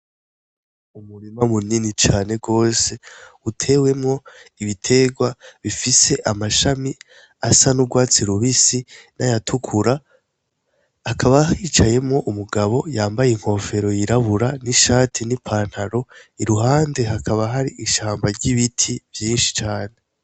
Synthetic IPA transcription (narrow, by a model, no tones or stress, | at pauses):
umuɾimamuninit͡ʃaːne̞ɡo̞ːse̞utʰe̞ːwe̞mŋo̞iβitʰe̞ːɡwaβifise̞ʔamaʃami | asanuɡwaːt͡siɾuβisinajatʰukʰuɾa | kʰaβahiːt͡ʃaje̞mŋo̞ʔumuɡaβo̞jaːmbajeiŋ̥ho̞ːfe̞ɾo̞jiɾaβuɾaniʃaːtʰinipʰaːn̥haɾo̞iɾuɦaːnde̞ɦakʰaβaɦaɾiʔiʃaːmbaɾɟiβitʰiv̥jiːnʃi̥t͡ʃaːne